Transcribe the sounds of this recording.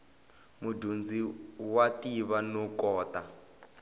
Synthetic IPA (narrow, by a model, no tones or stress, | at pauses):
mudund͡ziwatiβanɔkɔːta